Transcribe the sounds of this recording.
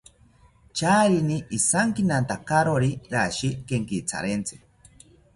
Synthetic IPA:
t͡ʃaːɾiniːsaŋkinant̪akaɾoɾiɾaʃikeŋkit͡sʰa̰ɾent͡sʰi̥

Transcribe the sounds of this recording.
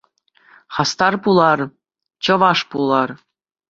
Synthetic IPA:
χɑst̪ɑrpulˠɑr | t͡ɕɤ̆ʋɑʂpulˠɑr

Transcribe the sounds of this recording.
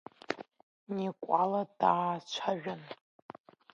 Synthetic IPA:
nikʷʼaladaːt͡ʃʷʰaʒᶣʊn

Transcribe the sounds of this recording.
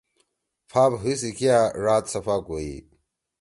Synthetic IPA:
pʰaːpɦis̬ikʰiaɾaːt̪sɐfakoḭ

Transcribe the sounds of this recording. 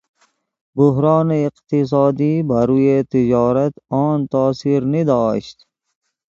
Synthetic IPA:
buɦɾɑːneiqt̪is̬ɑːd̪iːbaɾuːjet̪id͡ʒɑːɾat̪ɔːnt̪ɑːsiɾnid̪ɑːʃt̪

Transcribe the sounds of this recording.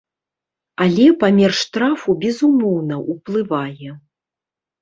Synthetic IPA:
alʲɛpamʲɛrʂːt̪ɾafubʲɛzumɔwnɐʔuplˠɨvajɛ

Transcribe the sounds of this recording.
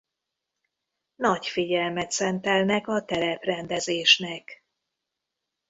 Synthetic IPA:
nɒcfiɟɛlmɛt̪sɛnt̪ɛlnɛkɒt̪ɛɾɛprɛnd̪ɛzeːʃnɛk

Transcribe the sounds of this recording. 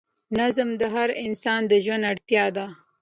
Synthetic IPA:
nazmd̪əɦaɾɪnsɑnd̪əʒwanaɽt̪jɑd̪a

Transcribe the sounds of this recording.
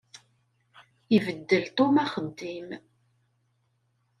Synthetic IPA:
ivəd̪ːəlt̪ˤomæχəd̪ːim

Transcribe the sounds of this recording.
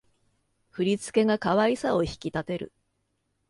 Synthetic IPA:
ɸɯɾʲit͡sɨ̥ke̞ɡakaβaisao̞çi̥kʲit̪at̪e̞ɾɯ̰

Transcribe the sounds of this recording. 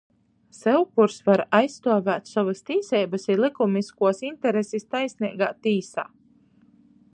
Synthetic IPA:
sɛwkuɾsvaɾajst̪uɔvæːt̪sɔvɨst̪iːsɛjbɐsiɾlˠikumniskuɔsint̪ɛɾesist̪ajsʲniɛɡa̰ːt̪iːsa̰ː

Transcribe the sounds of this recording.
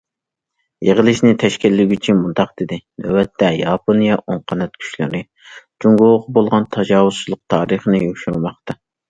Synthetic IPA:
jeʁəlˠɨʃnɪt̪ʰɛʃkʲilːɪɡʲyt͡ʃʰinmund̪ɑqd̪ɪd̪ɪnøwɛt̪ʰːɛjɑpʰonijɑʔoɴqʰɑnɑt̪kʲʰy̥ʃlɪ̰ɾɪ | d͡ʒuŋɡoʁqbolˠʁɑnt̪ʰɑd͡ʒɑːwuz̥t͡ʃʰilˠʊq̚t̪ʰɑːɾɨχənɪjyʃyɾumɑqt̪ɑ

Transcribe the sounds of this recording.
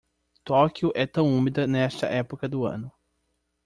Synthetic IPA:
t̪ɔkjʊʔɛt̪ɐ̃w̃ũmid̪ɐnɛst̪ɐ̰ʔɛpokɐd̪ʊɐ̰̃nʊ

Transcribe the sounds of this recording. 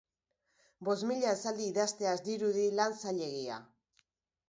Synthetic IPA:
bo̞zmiʎae̞sald̪iːðast̪e̞azd̪iɾuðilansaʎe̞ɣia̰

